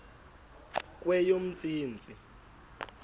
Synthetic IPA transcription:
k̬ʼwɛjom̩t͡sʼiːnt͡sʼi

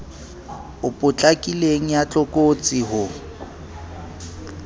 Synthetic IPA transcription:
ʊpʼʊt͡ɬʼakʼileŋ̩jat͡ɬʼʊkʼot͡sʼɪɦʊ

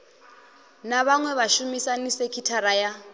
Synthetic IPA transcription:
naβaŋwɛβaʃumisanisekʰitʰaɾaja

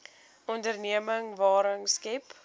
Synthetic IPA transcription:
ɔndərniəməŋvɑːɾəŋskɛp

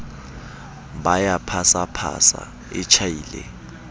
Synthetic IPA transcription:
bajapʰasapʰa̰sa̰ | ɪt͡ʃʰajiːlɛ

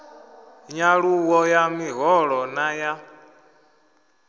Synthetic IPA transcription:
ɲaɺuwɔjamiɦɔɺɔnaja

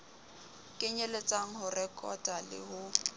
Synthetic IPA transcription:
kʼɪɲelet͡sʼaŋ̩ɦʊrɛkʼɔtʼalɪ̰hʊ

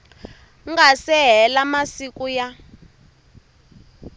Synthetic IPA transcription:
ŋɡasɛɦɛlamasikuja

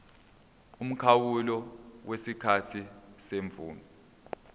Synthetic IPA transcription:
um̩kʰawulɔwʔesikʰatʰiseɱvuːnɔ

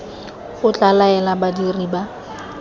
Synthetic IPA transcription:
ʊt͡ɬʼalaɛlabadiriːba

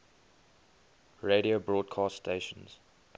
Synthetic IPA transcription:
ɹeɾiobɹɔːd̚kʰɑːststeʃə̃nz̥

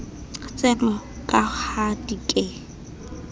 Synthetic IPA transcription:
t͡sʼɛmɔ | kʼahadikʼɛ

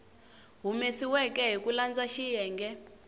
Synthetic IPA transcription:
ɦumesiwɛkɛɦikuland͡zaʃijɛːŋɡɛ

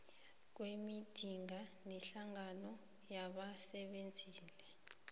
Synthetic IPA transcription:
k̬wemid̥ʱiŋanɛɬaŋanɔ | jaɓasɛɓend͡zʱiːlɛ

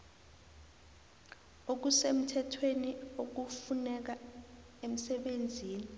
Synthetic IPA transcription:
ok̬usem̩tʰɛtʰweniok̬ufunɛk̬a | em̩sɛɓend͡zʱiːni

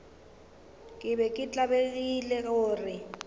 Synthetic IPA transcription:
kʼɪbɛkʼɪt͡ɬʼabek̬ʼilɛkoːrɪ

